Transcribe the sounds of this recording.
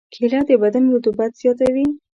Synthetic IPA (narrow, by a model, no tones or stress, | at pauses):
kʰelad̪əbad̪anjot̪ubat̪z̥jɑt̪awi